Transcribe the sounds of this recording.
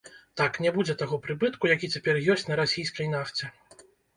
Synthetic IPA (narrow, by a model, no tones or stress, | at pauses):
t̪aknʲɛbud͡zʲɛt̪aɣɔpɾɨbɨt̪kujakʲit͡sʲapʲɛrjɔsʲt͡sʲnɐɾasʲijskɐjnaft͡sʲɛ